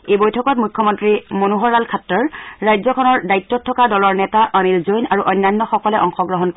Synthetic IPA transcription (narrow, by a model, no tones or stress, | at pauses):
ebojtʰɔkɔtmukʰːɔmɔntɹimonuɦɔɹalkʰatːɔɹːajzɔkʰɔnɔɹdajtːɔtʰːɔkadɔlɔɹnɛtaʔanilzojnaɹuʔɔjnːajnːɔxɔkɔlɛʔɔŋxɔɡɹɔɦɔnk